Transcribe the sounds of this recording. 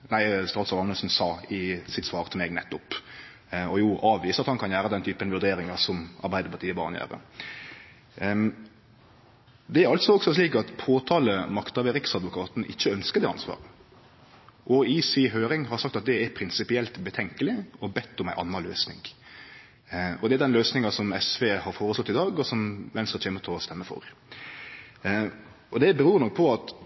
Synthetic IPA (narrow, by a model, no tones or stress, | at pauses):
næɪst̪ɑːd̪sɑʋɑməlsn̩sɑːɪsɪt̪sʋɑːɾt̪ʰɪlmeːɡnɛt̪ːʊp | ɔjuːʔɑːʋiːsɑt̪hɑnkʰɑnjæːɾəd̪ɛnt̪ʰyːpənʋʉɾd̪eːɾɪŋɑsɔmɑ̰ɾbæɪd̪əpʰɑɾt̪iːəbɑ̰ːʁnəjæ̰ːɾə̰ | d̪ɛæɾɑlt̪sɔɔɡsɔsliːkɑt̪pʰoːt̪ʰɑːləmɑkt̪ɑʋɛɾɪksɑd̪ʋʊkʰɑːt̪n̩ʔɪçːəœnskəɾd̪ɛːɑnsʋɑ̰ːɾə | ʔɔiːsiːɦøːɾɪŋhɑɾsɑkt̪ɑt̪̚d̪ɛɛɾpʰɾɪnsɪpɪɛlt̪bət̪ʰɛŋkəlɪɔbɛt̪ːɔmæɪʔɑ̰nːɑlø̰ːsnɪ̰ŋ | ɔd̪ɛæɾd̪ɛnløːsnɪŋɑsɔmɛsʋeːhɑɾfoːɾəslɔt̪ːɪd̪ɑːɡɔsɔmʋɛnsəɾc͡çʰeːmət̪ʰɪlɔst̪ɛmːəfɔ̰ɾ | ɔd̪ɛbɛɾuːɾnɔk̚pʰɔɑt̪